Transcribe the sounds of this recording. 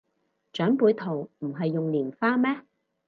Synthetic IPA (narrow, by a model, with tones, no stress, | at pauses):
t͡ʃœː˨˥ŋpuː˨˧jt̪ʰo˨˩wm̩˨˩ɦɐ˨jːʊ˨ŋliː˨˩nfaː˥mɛː˥